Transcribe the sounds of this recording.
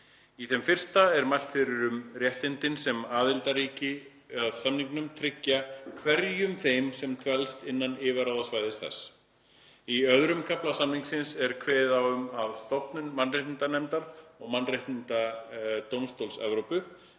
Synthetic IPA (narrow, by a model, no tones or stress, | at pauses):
iθɛmfɪr̥st̪aɛɾmajl̥t̪fɪɾɪɾʏmrjɛht̪ɪnt̪ɪnsɛmaːðɪlt̪aɾiːcɪ | aðsamniŋknʏmt̪ʰɾɪcːakʰvɛɾjʏmθejmsɛmt̪ʰvɛlst̪ɪnːanɪːvaɾawðasvaːjðɪst̪θɛ̰sː | iœðɾʏmkʰaplasamniŋksɪnsɛɾkʰveːðaʏmaðst̪ɔpnʏnmanreht̪ɪnt̪anɛmt̪aɾɔɣmanːrejht̪nɪnt̪at̪owmst̪owlsɛ̰vɾowpʏ